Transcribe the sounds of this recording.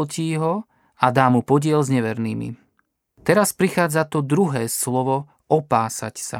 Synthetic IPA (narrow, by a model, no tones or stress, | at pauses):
lciːɦɔ | ad̪aːmupɔɟɪɛlzɲɛʋɛɾniːmḭ | t̪ɛɾaspɾixaːd͡zat̪ɔd̪ɾuɦɛːslɔʋɔ | ʔɔpaːsa̰csa̰